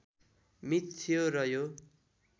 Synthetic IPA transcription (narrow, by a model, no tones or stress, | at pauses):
mit̪t͡sʰijoɾʌjo